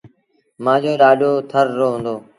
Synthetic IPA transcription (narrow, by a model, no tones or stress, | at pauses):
mãːd͡ʑoːɗaːɗjoːt̪ʰəɾːoːɦʊ̃nd̪oː